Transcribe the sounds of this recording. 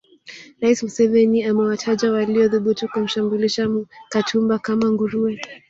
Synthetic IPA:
ɾaismusɛvɛniamɛwatʰaʄawaliɔðuɓutukum̩ʃambuliʃamkatʰumbakamaŋɡuɾuɛ

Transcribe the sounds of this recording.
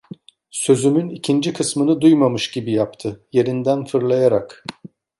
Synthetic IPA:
sø̞zymynicʰind͡ʒikʰɯsmɯnɯd̪ujmamɯʃɟibijapt̪ʰɯje̞ɾind̪ænfɯɾlˠajaɾak

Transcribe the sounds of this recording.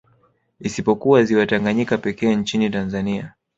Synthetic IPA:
isipɔkuwaziwataŋɡaɲikapɛkɛːnt͡ʃinitanzania

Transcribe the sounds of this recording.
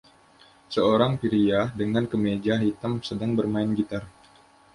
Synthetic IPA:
səoɾaŋpiɾiadəŋankəmed͡ʒaɦit̪amsədaŋbərmaɪnɡit̪ar

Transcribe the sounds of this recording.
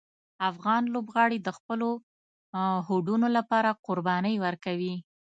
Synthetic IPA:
afɣɑnlobɣɑɽid̪əxpəlo | hoɖunolapɑɾaqʊɾbɑnəjwəɾkawi

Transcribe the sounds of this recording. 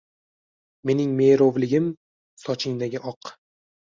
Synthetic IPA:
me̞nɪŋme̞jɾovlɪɡʲɪm | sɒt͡ʃʰɪŋd̪aɡʲɪʔɒq

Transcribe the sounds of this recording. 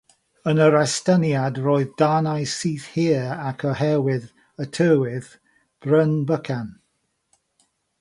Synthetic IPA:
ənəɾastənjadroːɨðdanajsiːθhiəakʰəhɛwɪð | ətʰəːwɪð | b̥rənbəkʰan

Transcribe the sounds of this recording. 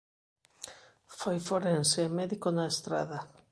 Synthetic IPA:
fojfoɾensemɛðikonaest̪ɾa̰ða

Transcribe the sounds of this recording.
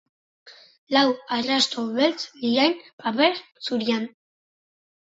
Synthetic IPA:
lawarast̪oβelt͡sliɾajnpapeɾt͡suɾian

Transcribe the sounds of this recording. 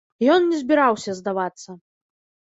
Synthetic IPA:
jɔnːʲɛzʲbʲɛɾawsʲɐzd̪avat̪sːɐ

